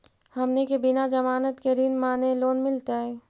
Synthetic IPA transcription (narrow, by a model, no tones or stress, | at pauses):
həmnekebɪnad͡ʒəmaːnət̪keɾinmaːneloːnmɪlt̪aɦɛː